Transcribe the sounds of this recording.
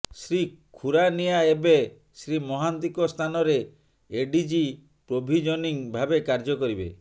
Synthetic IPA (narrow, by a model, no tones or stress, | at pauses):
sɾikʰuɾanijaebe | sɾimɔɦant̪ikɔst̪ʰanɔɾeː | ɖid͡ʒi | pɾobʱid͡ʒɔniŋbʱabekaɾd͡ʒɔkɔɾibḛ